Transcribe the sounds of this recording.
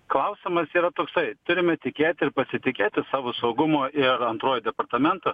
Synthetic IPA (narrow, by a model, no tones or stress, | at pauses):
klˠɐʊsʲɪmɐsiːɾɐt̪oːksɐɪt̪ʊɾʲɪmʲɛt̪ʲɪkʲeːt̪ʲɪɾpɐsʲɪt̪ʲɪkʲeːt̪ʲɪsɑːʋosɐʊɡʊmoːʔɪɾɐnt̪ɾoːjd̪ʲɛpɐɾt̪ɐmʲɛnt̪o